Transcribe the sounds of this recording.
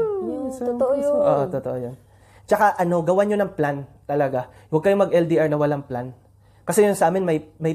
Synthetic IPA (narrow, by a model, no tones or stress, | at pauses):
ooʔoʔoʔot̪ot̪oʔojon | t͡ʃɐkaʔɐno̞ɡɐwaɲonɐŋplant̪ɐlɐɡa | wɐɡ̚kɐjomɐɡʔɛld̪iʔaɹnɐwɐlaŋplan | kɐsɛjʊnsɐʔaːmɪnmɐjmɐj